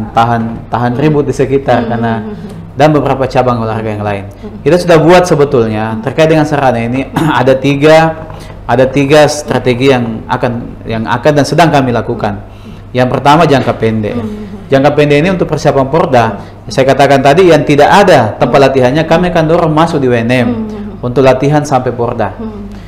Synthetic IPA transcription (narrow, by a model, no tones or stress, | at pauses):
t̪aɦant̪aɦanribʊt̪̚disəkit̪arkarna | danbəbəɾapat͡ʃabaŋularɡajaŋlaɪn | kit̪asudahbuat̪səbət̪ʊlɲat̪ərkaɪt̪̚dəŋansəɾanainiadat̪iɡa | ʔadat̪iɡast̪ɾat̪eɡijaŋa̰kan | jaŋa̰kandansədaŋkamilakukan | jaŋpərt̪amad͡ʒaŋkapɛndɛ̰d͡ʒaŋkapɛndɛiniunt̪ʊk̚pərsiapanpɔrda | sajakat̪akant̪adijaŋt̪idaʔadat̪əmpat̪̚lat̪iɦanɲakamiakandɔɾaŋmasʊk̚diwenɛmunt̪ʊk̚lat̪iɦansampapɔrda